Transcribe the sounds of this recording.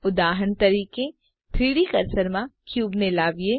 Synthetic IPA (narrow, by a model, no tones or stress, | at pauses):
ʊd̪aːɦəɳt̪ɐɾiːkẽ | t̪ʰɾiːɽikɐɾsəɾmãkjuːbnelaːʋije